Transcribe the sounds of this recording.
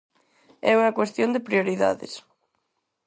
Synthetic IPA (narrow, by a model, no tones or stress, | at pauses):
ɛuŋɐkwest̪jond̪epɾjoɾiða̰ðɪ̰s